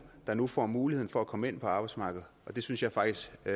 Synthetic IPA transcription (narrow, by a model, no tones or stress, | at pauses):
d̥ɑ̈nufɒ̰ːmuːlihe̝ð̰ˠn̩fɒ̽ækʰɒ̽məe̝n̰pʰɒ̽ɑ̈ːb̥ɑ̈ɪd̥smɑ̈ːɡ̥ð̞̩ˠʔɒ̽d̥e̝synsjɑ̈ɪfɑ̈ɡ̥̚d̥isɡ̥